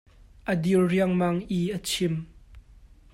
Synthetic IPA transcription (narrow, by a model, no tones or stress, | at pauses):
ʔəd̪iwriəŋmaŋʔiʔət͡sʰɪm